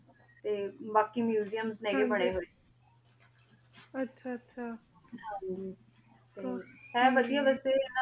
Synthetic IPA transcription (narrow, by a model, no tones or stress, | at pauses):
t̪eːbaːkiːmjuːzijəmznɛ̃ːɡeːbəɽ̃eːɦoːeː | ətːʃʰaːətːʃʰaː | ɦãːd͡ʒiː | t̪eɛ̃ːʋəd̪ijaːʋɛːseːna